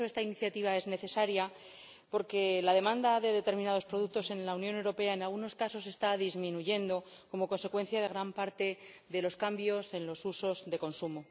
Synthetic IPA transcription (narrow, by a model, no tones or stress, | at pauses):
oe̞st̪ainiθjat̪iβ̞ae̞zne̞θe̞saɾja | po̞ɾke̞laðe̞mãnd̪aðe̞ðe̞t̪e̞ɾmĩnað̞o̞spɾo̞ðuk̚t̪o̞se̞nlaunjone̞wɾo̞pe̞aenalɣuno̞skaso̞s̬e̞st̪aðizmĩnuʝe̞nd̪o̞ko̞mo̞ko̞nse̞kwe̞nθjað̞e̞ɣɾampaɾt̪e̞ðe̞lo̞skambjo̞se̞nlo̞suso̞zðe̞ko̞nsumo̞